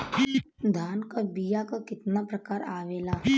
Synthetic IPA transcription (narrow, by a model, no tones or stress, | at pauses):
d̪ʱaːnkabijakakɪt̪napɾɐkaːɾaːʋeːlaː